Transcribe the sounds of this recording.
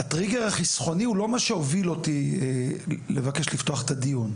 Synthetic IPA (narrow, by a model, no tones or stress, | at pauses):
atʁiɡeʁaχisχo̞niulo̞maʃeo̞vilo̞tielevake̞ʃlift̪o̞aχet̪adijun